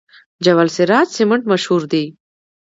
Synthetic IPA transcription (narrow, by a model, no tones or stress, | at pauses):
d͡ʒɐwɐlseɾaːt̪seməɳʈmɐʃhuɾd̪e